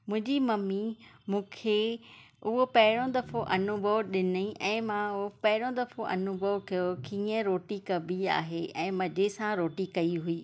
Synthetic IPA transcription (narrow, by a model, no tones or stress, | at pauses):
mʊ̃ɦɪ̃ɲd͡ʑimɐmimũːkʰe | ʊɦopɐɦɪɽ̃õd̪ɐfoʔɐnʊbʱəʋɗɪnəĩʔɛ̃ːmãopɐɦɪɽ̃õd̪ɐfoʔɐ̰nʊbʱəʋkɐjokĩːə̃ɾoːʈikɐbʱia̰ːɦeʔɛ̃ːmɐd͡ʑesãɾoːʈikɐiɦuiː